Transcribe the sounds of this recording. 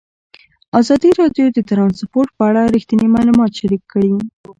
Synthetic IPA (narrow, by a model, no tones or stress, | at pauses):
ɑzɑd̪iɾɑɖjod̪ət̪ɾɑnspoɾʈ̚pəaɽaɾixt̪inimɑlumɑt̪ʃaɾikʰːəɽi